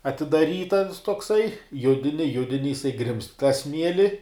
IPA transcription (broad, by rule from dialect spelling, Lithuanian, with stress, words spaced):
ɐtʲɪdɐˈrʲiːt ɐns toːkˈsɐɪ ˈjʊdʲɪnʲɪ ˈjʊdʲɪnʲɪ jɪˈsɐɪ ɡrʲɪmst tɑː ˈsʲmʲiɛlʲɪ